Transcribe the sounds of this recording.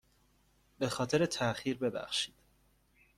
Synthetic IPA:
be̞xɒːt̪ʰe̞ɾet̪ʰæxiːɾbe̞bæ̰xʃi̥ːd̪̥

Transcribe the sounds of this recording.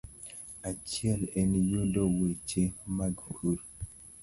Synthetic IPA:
at͡ʃjɛlɛnjodɔwet͡ʃemaɡkʰuɾ

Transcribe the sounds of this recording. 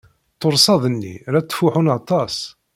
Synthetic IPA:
t̪ːoɾˤsɑðˤənːḭɾæt͡s̪ːfuħunɑt̪ˤɑs

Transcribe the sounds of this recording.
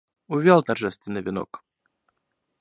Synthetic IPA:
ʊvʲalˠt̪ɐrʐɛst̪vʲɪnːɨvʲɪnɔ̰k

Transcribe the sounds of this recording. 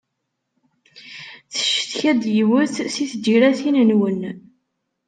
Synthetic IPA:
θə̥ʃə̥θçæd̪jəwəθsiθd͡ʒiɾæθinənwən

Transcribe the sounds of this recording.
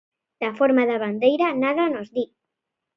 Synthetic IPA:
d̪̥afoɾmaðaβand̪ejɾanaðanozði

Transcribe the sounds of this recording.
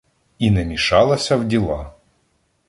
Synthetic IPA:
inɛmʲiʃɑlˠɐsʲɐwdʲilˠɑ

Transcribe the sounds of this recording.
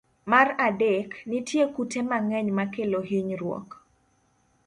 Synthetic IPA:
maradeknɪtjekutʰemaŋɛɲmakelohiɲɾwɔ̰k

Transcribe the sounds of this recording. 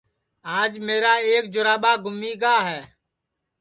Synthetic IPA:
aːd͡ʒmeːɾaːeːk̚d͡ʒʊɾaːɓaːɡʱʊmiːɡaːɦɛː

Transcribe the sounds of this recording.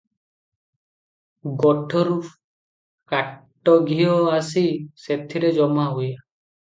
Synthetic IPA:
ɡɔʈʰɔɾup | kaʈːɔɡʱiɔasiset̪ʰiɾed͡ʒɔmaɦuja

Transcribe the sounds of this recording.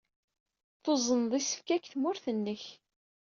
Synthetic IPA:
θozˤənðˤisə̥fkækθmʊɾθənːəç

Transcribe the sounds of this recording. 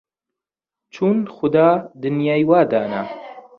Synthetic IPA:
t͡ʃʰuːnxʊd̪aːd̪ɨnjaːjwaːd̪aːna

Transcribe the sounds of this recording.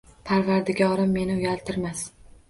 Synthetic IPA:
pʰaɾvaɾd̪ɪɡʲaɒɾamːe̞nɪʊjʲalˠt̪ʰɪɾmas

